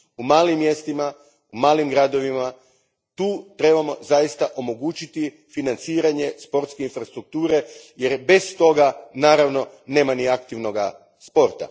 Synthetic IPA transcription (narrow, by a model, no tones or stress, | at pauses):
umaːlimːje̞st̪ima | umaːlimɡɾaːd̪o̞ʋima | t̪uːt̪ɾe̞bamo̞̰zajist̪aʔo̞mo̞ɡut͡ɕit̪i | finant̪siːɾaɲe̞spo̞ɾt̪skeinfɾast̪ɾuk̚t̪uːɾe̞je̞ɾbe̞st̪o̞ɡanaːɾaʋno̞ | ne̞ːmaniakt̪iʋno̞ɡa | spo̞ɾt̪a̰